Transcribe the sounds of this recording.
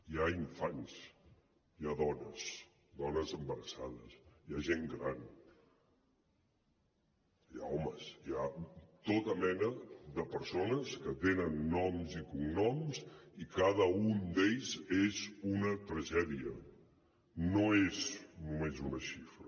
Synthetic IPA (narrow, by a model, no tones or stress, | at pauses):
iaiɱfans | iaðɔnəs | d̪ɔnəzəmbəɾəsaðəsjaʒeŋɡɾan | ja̰ɔməsiat̪ot̪əmɛnəðəpəɾsonəskət̪enənːɔmzikuŋnɔmzikaðəund̪eʎzezunət̪ɾəʒɛðiə̰ | noeznumezunəʃifɾə